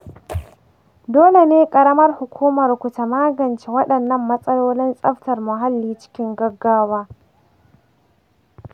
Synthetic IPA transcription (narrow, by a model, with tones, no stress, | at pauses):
doː˦le˨neː˦kʼɐ˨ɾɐ˦mɐ˦rhʊ˨kʷʰuː˦mɐ˨rkʷʊ˨ta˨maː˦ɡɐ˨nt͡ʃe˨wɐ˦ɗɐ˨nːɐ˦˨mːɐ˦sʼɐ˦loː˦lɪ˦nsʼɐ˦ɸtɐ˨rmʊ˨ɦa˦lːiː˨˦t͡ʃɪ̥˦kʲɪ˦ŋɡɐ˦ɡːaː˦waː˦